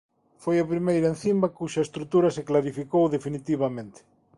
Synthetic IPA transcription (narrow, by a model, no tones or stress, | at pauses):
fojɐpɾimejɾɐenθimbɐkuʃɐest̪ɾut̪uɾɐseklaɾifikowðefinit̪iβɐmẽnt̪ɪ̥